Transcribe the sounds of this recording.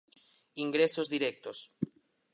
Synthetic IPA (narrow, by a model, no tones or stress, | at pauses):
iŋɡɾesozðiɾɛk̚t̪os